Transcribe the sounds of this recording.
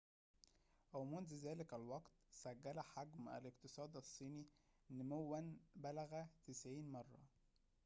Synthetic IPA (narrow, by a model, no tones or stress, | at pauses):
ʔæwmʊnzzæːlɪkælwɑɡt̪sæɡːælæħaɡmæ̰lɪqt̪ɨsˤɑːd̪ɑsˤːiːninːɪmʊwːænbælæɣæt̪ɪsʕiːnmɑrˤːɑ̰